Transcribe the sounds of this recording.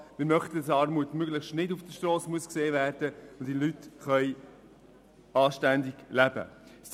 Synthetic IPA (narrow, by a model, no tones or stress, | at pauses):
mɪɾmœχtəsɑːɾmuətmøɡləχʃtnɪdufd̥əʃtroːsmuəskseːvæːɾd̥əʊnd̪ilytχœʏ | ɑːʃtændɪɡlæbə̰s